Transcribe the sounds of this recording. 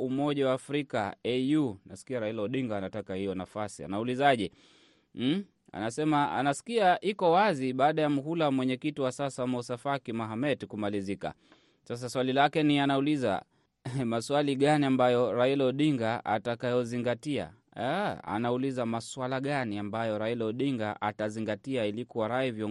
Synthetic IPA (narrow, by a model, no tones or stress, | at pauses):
umɔʄawaːfɾika̰ɛjunasi̥kiaɾailɔɔɗiŋɡaːnatakahijɔnafasia̰naulizaʄɛ | a̰nasɛmaa̰nasi̥kiaʔikɔwaziɓaːɗajamuɦulawamwɛɲɛkitiwasasamɔusafakimaɦamɛtikumalizika̰ | sas̬aswalilakɛnianauliza̰ | maswaliɠaniambajɔɾailɔɗiŋɡaa̰takajɔziŋɡatia̰ | a̰naulizamaswalaɠaniambajɔɾailɔɗiŋɡaʔataziŋɡatiailikuwaɾaivjɔ